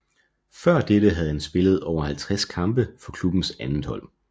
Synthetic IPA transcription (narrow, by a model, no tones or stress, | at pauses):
fɶɐ̰d̥eɾəɦæð̞ˠhænsb̥e̝ləð̞̩ˠɒʊ̰ɐhælt͡sʰʁaskʰɑ̈mb̥əfɒ̽kʰlub̥n̩sænn̩hɒ̽l̰